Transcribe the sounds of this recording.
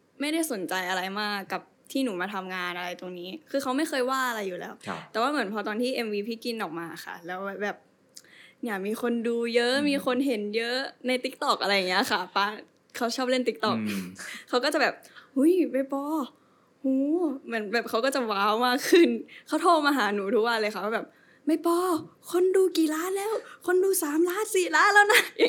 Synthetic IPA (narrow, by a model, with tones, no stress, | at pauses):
ma˥˩jda˥˩jso˨˩˦nt͡ɕa˧jʔa˧ɾa˧jmaː˧˩ka˨˩p̚t̪ʰiː˥˩nuː˩˦maː˧t̪ʰa˧mŋaː˧nʔa˧ɾa˧jt̪o˧ŋniː˦˥kʰɯː˧kʰa˦˥wma˥˩jxɤː˧jwaː˥˩ʔa˧ɾa˧jːuː˨˩lɛ̰ː˦˥wt̪ɛ˨˩waː˥˩mɯ˩˦npʰɔ˧t̪ɔː˧nt̪ʰiː˥˩ʔe˧mwiː˧pʰiː˥˩ki˧nʔɔː˨˩k̚maː˧˩xa̰˥˩lɛː˦˥wa˧˩bɛː˨˩p̚ | nja˨˩miː˧xʰo˧nduː˧jɤ˦˥ʔmiː˧xʰo˧nɦe˩˦njɤ˦˥ʔna˧jt̪i˦k̚t̪ɔ˨˩k̚ʔa˧ɾa˧jːa˨˩ŋːi˦˥ɐ˥˧˩ka˥˩paː˧˩ | kʰa˦˥wt͡ɕʰɔː˥˩p̚le˥˩nt̪i˦˥k̚t̪ɔ˨˩k̚ʰːa˦˥wkɔː˥˩t͡ɕa˨˩bɛː˨˩p̚hu˦˥˩jma˧˥˩jpɔː˧ | huː˨˧˦mɯ˩˦ənbɛː˨˩p̚kʰa˦˥wkɔː˥˩t͡ɕa˨˩waː˦˥wmaː˧˥kʰɯ˧˩nkʰaː˧˥˩wt̪ʰoː˧˥˩maː˧ɦaː˩˦nuː˩˦t̪ʰu˦˥k̚wa˧lɤː˧kʰa˦˥˩wʰaː˧˥˩bɛː˨˩p̚ | ma˧˩jpɔː˧kʰo˧nduː˧kiː˨˩laː˦˥nlɛː˧˥˩wkʰo˧nduː˧saː˨˦mlaː˦˥˩nsiː˨˩laː˦˥nlɛː˦˥˩wna˦˥˩